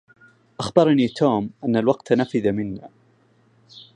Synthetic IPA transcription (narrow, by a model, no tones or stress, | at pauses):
ʔaxbɑɾˤniːt̪ʰoːmʔanːalwɑqt̪nafɪðamɪnːaː